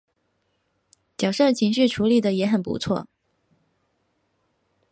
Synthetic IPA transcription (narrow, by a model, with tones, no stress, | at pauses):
t͡ɕjɑ˨˩ʊʂɤ˥˩t͡ɕʰi˧˥ŋɕy˥˩ʈ͡ʂʰu˧˥li˨˩d̪ə˩jɛ˧˥xə˨˩npṵ˧˥t͡sʰwɔ̰˥˩